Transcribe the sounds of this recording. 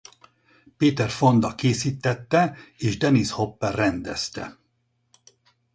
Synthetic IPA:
peːt̪ɛrfo̞nd̪ɒkeːsiːt̪ːɛt̪ːɛeːʒd̪ɛnisho̞pːɛrrɛnd̪ɛ̰st̪ɛ̰

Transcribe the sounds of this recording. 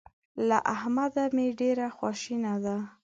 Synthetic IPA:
laʔahmad̪ameɖeɾaxwɑʃinad̪a

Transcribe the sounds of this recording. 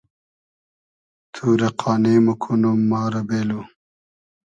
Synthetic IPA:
t̪ʰuːɾɐqʰɑːneːmɐkʰunumːɑːɾɐbeːlu

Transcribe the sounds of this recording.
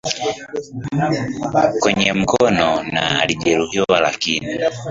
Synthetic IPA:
kwɛɲɛm̩kɔnɔnaaliʄɛɾuhiwwalakini

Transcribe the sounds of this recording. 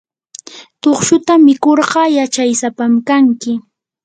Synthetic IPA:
t̪oχʃʊt̪amɪkoɾɢɑjat͡ʃajsapamkaŋkɪ

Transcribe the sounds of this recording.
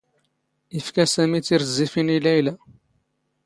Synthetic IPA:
ifkæsæmit͡sːiɾzːifinilæjlæ

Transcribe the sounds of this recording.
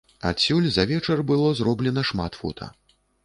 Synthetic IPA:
a̰sʲulʲzɐvʲɛt͡ʂɐrbɨlˠɔzɾɔblʲɛnɐʂma̰t̪fɔ̰t̪ʰɐ̰

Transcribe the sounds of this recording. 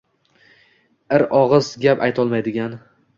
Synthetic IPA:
ɪɾɒʁɨzɡʲapajt̪ʰɒlˠmajd̪ɪɡʲan

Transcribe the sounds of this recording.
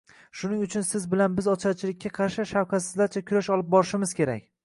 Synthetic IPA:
ʃʊnɪŋʊt͡ʃʰʊnsɪzbɪlanbɪzɒt͡ʃʰat͡ʃʰɪlɪkʲːaqʰɑɾʃɪʃawqʰɑt̪sɪzlaɾt͡ʃʰakʲʰʊɾaʃɒlˠɪp̚bɒɾɪʃɪmɪz̥kʲe̞ɾa̰kʲ

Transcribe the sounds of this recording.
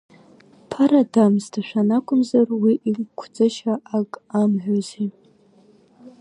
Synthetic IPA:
pʰaɾadamstʰaʃʷᶣanakʷʰʼʊmzarwiʔikʷʰd͡zɨʃaakʼamʕʷᶣazi

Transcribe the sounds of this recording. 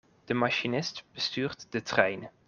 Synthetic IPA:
d̥əmaʃinɪstb̥əstyːrtd̥ətrɛjn

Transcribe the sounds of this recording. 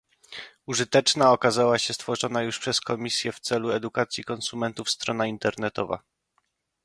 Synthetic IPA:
uʐɘt̪ɛt͡ʂnaɔkazawaɕɛst̪fɔʐɔnajuʂpʂɛskɔmʲisʲjɛft̪sɛluɛd̪ukat̪sʲjikɔnsumɛnt̪ufst̪ɾɔnaint̪ɛɾnɛt̪ɔva̰

